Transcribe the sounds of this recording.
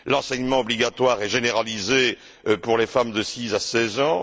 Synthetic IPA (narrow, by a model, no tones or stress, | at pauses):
lɑ̃sɛɲmɑ̃ɔbliɡat̪waʁɛʒeneʁalize | puʁlefamd̪əsizasɛzɑ̃